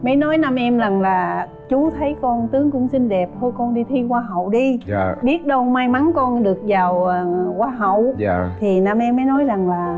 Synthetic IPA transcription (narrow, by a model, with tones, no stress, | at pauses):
mə˨˦jnɔ˨˦jnaː˧mʔɛ˧mza˨˩ŋlaː˨˩ | t͡ɕu˨˦t̪ʰə˨˦jkɔ˧nt̪ɨ˨˦əŋkʊ̰˧˥ŋ͡msi˧nɗɛ˨˩p̚h̪ʰo˧jkɔ˧nɗi˧t̪ʰi˧kwaː˧ɦə̰˧˨wɗi˧a˧˩ɓi˦˥ət̚ɗə˧wmaː˧jma˨˦nkɔ˧nɗɨ˨˩ək̚zaː˨˩wəː˨˩kwaː˧ɦə̰˧˨wt̪ʰi˨˩naː˧mʔɛ˧mːə˨˦jnɔ˨˦jza˨˩ŋlaː˨˩